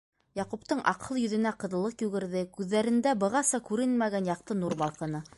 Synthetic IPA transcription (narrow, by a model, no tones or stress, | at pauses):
jɑqupt̪ɤɴʔɑ̰qɤlˠjɵ̆ðɵ̆næqɤ̆ðɤ̆lˠɤqjʉɡɘ̆ɾðɘkʉðːæɾɘ̆nd̪æbɤ̆ʁɑsɑkʉɾɘnmæɡænjɑq̚t̪ɤnuɾbɑlˠqɤ̆nɤ